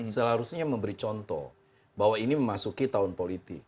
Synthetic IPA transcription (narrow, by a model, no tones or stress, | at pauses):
səlaɾusɲaməmbəɾit͡ʃɔnt̪ɔ̰ | bawainiməmasukit̪aʊnpolit̪ɪ̰k̚